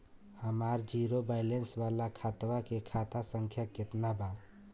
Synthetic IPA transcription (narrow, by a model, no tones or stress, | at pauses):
həmaɾd͡ʒiɾobaɪlensbalakʰat̪wakekʰat̪asəŋkʰjaket̪naba